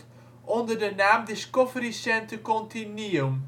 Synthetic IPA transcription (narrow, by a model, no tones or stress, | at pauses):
ʔɔndərdənaːmdɪskɔvrisɛntəkɔntinium